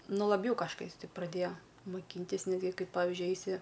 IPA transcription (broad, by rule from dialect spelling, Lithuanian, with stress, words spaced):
ˈnʊ lˠɐˈbʲjɛʊ kɐʃˈkɐɪs ˈtʲɪ prɐˈdʲeːjoː mʊˈkʲiːnʲtʲɪs ˈnʲæːdʲɡʲɪ ˈkɐɪp ˈpɑːʋʲɪʒʲʊɪ ˈɛɪsʲɪ